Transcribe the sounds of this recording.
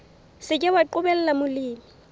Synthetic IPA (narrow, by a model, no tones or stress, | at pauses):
sɪkʼɪwaǃʊbɛl̩lamʊliːmi